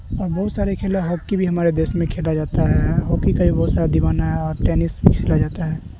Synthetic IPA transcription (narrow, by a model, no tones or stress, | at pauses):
ɔːɾbɐɦʊt̪saːɾekʰeːleɦɔkːibʱiɦɐmaːɾed̪eːsmẽkʰeːlad͡ʒaːt̪aɦɛɦɔkːikabʱibɐɦt̪saːɾad̪iʋaːnaɦɛɔːɾʈɛːnɪsbʱikʰeːlad͡ʒaːt̪aɦɛː